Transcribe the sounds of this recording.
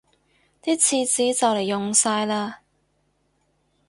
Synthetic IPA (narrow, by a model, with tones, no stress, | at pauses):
t̪iː˥t͡sʰiː˧t͡siː˨˥t͡sɐ˨wle˨˩jːʊ˨˩ŋsaː˧jlaː˧